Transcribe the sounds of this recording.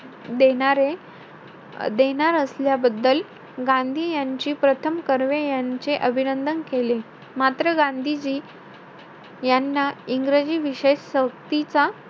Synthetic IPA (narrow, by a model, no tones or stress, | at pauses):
d̪eɽ̃aɾe | d̪eñaɾəsljabəd̪ːəl | ɡãnd̪ʱiːjaɲt͡ɕiːpɾət̪ʰəmkəɾʋejaɲt͡seʔəbʱinənd̪ənkele | mat̪ɾəɡãnd̪ʱid͡ʑiː | janːaiŋɡɾəd͡ʑiːʋiɕeɕsək̚t̪it͡sa